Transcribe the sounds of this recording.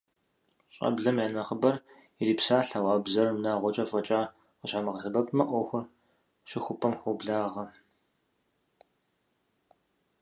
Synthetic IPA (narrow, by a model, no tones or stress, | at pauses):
ɕʼɐ̰bɮɐmaːnɐχəbɐr | iriːpsaːɬawaːbzɐrmnaːʁʷɔt͡ʃʼɐfʼɐt͡ʃʼaː | qəɕamɐʁəɬɨbɐpʰʼmɐʔʷɔxʷʊr | ɕɪxʷʊpʰɐmxʷubɮaːʁɐ